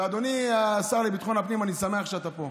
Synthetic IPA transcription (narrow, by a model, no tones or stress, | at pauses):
ad̪o̞niasaʁlibit̪χo̞napnimanisameaχʃeat̪apo̞